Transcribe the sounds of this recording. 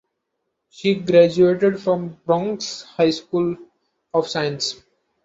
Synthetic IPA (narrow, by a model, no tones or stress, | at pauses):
ʃiːɡɾæd͡ʒueːʈeɖfɾɔ̃mbɾɔ̃ŋkshaɪskuːl | ɔʋsaɪə̃ns